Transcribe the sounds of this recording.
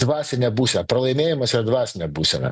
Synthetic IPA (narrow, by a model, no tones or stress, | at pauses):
d̪ʋɑːsʲɪnʲɛbuːsʲɛnɐpɾɐlˠɐɪmʲeːjɪmɐsʲɪɾɐd̪ʋɑːsʲɪnʲɛbuːsʲɛnɐ̰